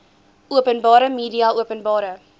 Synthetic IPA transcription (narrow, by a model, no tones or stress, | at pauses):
uəpənbɑːɾəmiːdiɑʔuəpənbɑːɾə